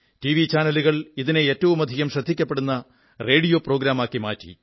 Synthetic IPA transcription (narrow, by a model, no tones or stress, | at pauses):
tiʋit͡ɕaːnɐluɣɐɭiðineeːtːɐʋumɐd̪ʱiɣɐmɕrɐd̪ʱːikʲːɐpːeɽunːɐ | re̞ːɽijoːpro̞ːɡɾaːmaːkːimaːtːḭ